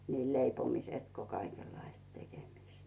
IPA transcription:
niːl leipomisĕt ko kɑikelːɑist tekemist

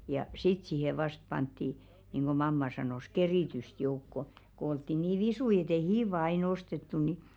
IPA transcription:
jɑ sit siˑhe ʋɑst pɑntːi niˑŋɡ̊o mɑmːɑ sɑnoˑs keriˑtyst joukːo ko oltːi niː ʋisui et ei hiːʋɑ ɑin ostetːu ni

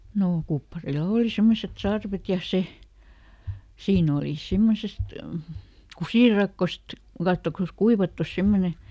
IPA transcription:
noː kupːɑrilɑ̆ oˑli semːoset sɑrʋet jɑ se siːn oliˑ simːosest kusiˑrɑkːost kɑtːokɑs kuiʋɑtːus semːone

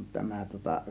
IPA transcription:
tæmæ tŭŏtɑ

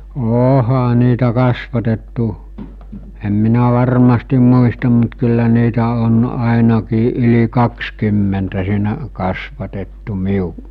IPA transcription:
oːhɑ niːtæ kɑsʋɑtetːu em minæ ʋɑrmɑstim muistɑm mut kylːæ niːtæ on ɑˑenɑkiː ʔyli kɑkskymːentæ siːnæʔ kɑsʋɑtetːu miuʔ

